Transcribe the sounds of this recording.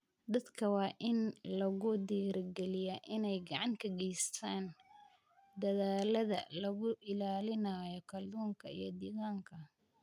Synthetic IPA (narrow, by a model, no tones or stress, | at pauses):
d̪ɐd̪kʰɐwɑːʔɪnlɐɣʊd̪iːɾɡɛlɪjɐʔɪnɛjɡɑʕɑŋk̪ʰɐɡɛjst̪ʰaːn | d̪ɐðaːlɐðɐ̰lɐɣʊʔɪlaːlɪnaːjɔkʰɐld̪ɔːŋkʰɐḭjɞd̪iːɣaːŋkʰɐ